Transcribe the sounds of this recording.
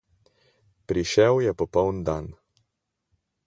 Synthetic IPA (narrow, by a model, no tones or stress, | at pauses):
pɾiʃɛwjɛpɔpɔwnd̪an